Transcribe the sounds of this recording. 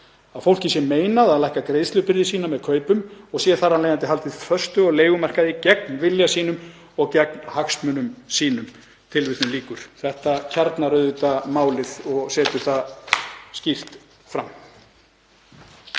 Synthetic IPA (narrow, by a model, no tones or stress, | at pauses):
aðfowl̥cɪsjɛmːeːjnaðaðlɛjhkakɾeːjðslʏpɪɾðɪsiːnamɛðkʰœːɥpʏmɔɣsjɛθaɾanlejant̪ɪɦalt̪ɪð̥fœst̪ʏɔɣleːjɣʏmɛr̥kaðicɛk̚nvɪljasiːn̪ʏm | ɔɣcɛknhaksmʏnʏmsiːnʏm | t̪ʰɪlvɪsθʏmliːkʏɾ̥θɛht̪acʰaɾt̪naɾœðʏt̪amaːwlɪðɔɣsɛːt̪ʏɾ̥θa | scir̥t̪ | fɾamː